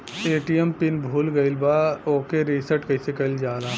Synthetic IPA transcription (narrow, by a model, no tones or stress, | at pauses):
eːʈijempɪnbʱuːlɡɐɪlbaːoːkeɾisəɾʈkɐɪsekɐld͡ʒaːlaː